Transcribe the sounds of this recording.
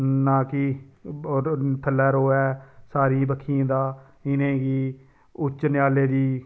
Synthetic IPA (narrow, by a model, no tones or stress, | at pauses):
nãːki | p̪ʰəlːɛːɾoːɛːsaːɾiĩːbəkʰːiãːd̪aː | ɪnẽːɡiː | ʊt͡ʃːnɪjaːleːd͡ʒiː